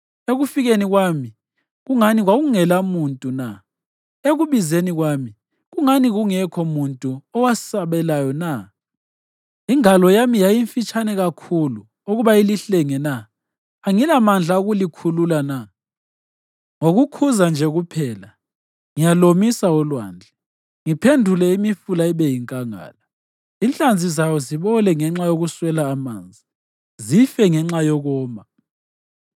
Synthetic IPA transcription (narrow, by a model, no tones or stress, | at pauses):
eɣufiɣeniɣwami | ɣuŋaniɣwaɣuŋɛlamuntʼuna̰ | eɣuβizeniɣwami | ɣuŋaniɣuŋɛkʰɔmuntʼuɔwasaβɛlajɔna | iŋalɔjamijajiɱfit͡ʃʰʼanɛɣakʰulu | oɣuβailiɬeŋɛna | aŋilamand͡ɮʱaoɣulikʰululana | ŋoɣukʰuzand͡ʒʱɛɣupʰɛːla | ŋijalomisaɔlwa̰ːnd͡ɮʱɛ | ŋipʰendʱulɛimifulaiβɛjiŋkʼaŋa̰ːla | int͡ɬʼand͡zʱizajɔziβɔlɛŋɛŋ͡ǁajoɣuswɛlaːma̰ːnd͡zʱi | zifɛŋɛŋ͡ǁajɔɣɔːma